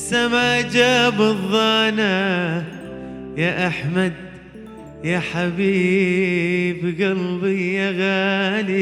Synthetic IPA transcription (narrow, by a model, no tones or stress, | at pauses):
samaːd͡ʒaːbɨðˤːɑːna | jaʔaħmad̪̚ | jaːħabiː | bɣɑlbijaɣaːli